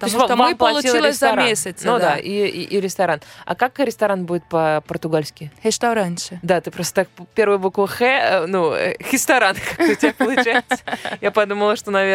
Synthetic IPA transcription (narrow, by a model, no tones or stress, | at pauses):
t̪osʲvmvpəɐlˠʊlilˠɪsʲszɐmaesʲət̪snud̪aʔḭɾʲɪst̪ɐɾana̰kakɾʲɪst̪ɐɾanbudʲɪt̪̚pəpərt̪ʊɡalʲsʲkʲɪɾʲɪʂt̪ɐɾanʲʃɨd̪at̪ɨpɾost̪ə̥t̪ak̚ppʲeɾvɨjbukvəxɛnuə̰xʲɾʲɪst̪ɐɾankakbɨtʲɪbʲapəlˠʊt͡ɕæɪt̪japɐd̪uməlˠəʂt̪onɐvʲe